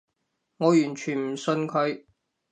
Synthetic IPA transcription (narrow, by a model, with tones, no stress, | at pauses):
ŋɔː˨˧jyː˨˩nt͡ʃʰyː˨˩nm̩˨˩sɵ˧nkʰɵ˨˧ɥ